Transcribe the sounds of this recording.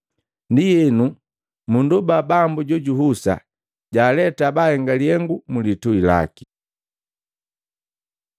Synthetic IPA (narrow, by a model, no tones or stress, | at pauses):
ndijɛnu | mundubabambuɟɔɟuɦusa̰ | ɟaːlɛtabahɛŋɡaliɛŋɡumulituila̰ki̥